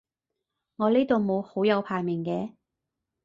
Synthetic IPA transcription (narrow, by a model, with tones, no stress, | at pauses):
ŋɔː˨˧leː˥t̪o˨wmo˨˧who˨˥wjɐ˨˧wpʰaː˨jmɪ˨˩ŋkɛː˨˧